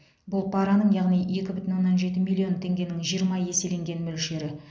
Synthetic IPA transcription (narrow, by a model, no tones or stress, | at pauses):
bʊlˠpʰɑɾɑnəɴjɑʁnije̞kʲɪbʏt̪ɪnwonːɑnʒe̞t̪ɪmilʲˠːio̞nt̪ʰe̞ŋɡʲe̞nɪŋʒijəɾmɑje̞se̞le̞ŋɡʲe̞nmɵlʃe̞ɾɪ